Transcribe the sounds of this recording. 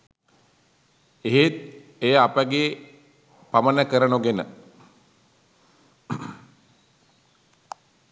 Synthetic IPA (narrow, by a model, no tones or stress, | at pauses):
eɦet̪̚ | ejəapəɡe | pamənəkəɾənuɡenə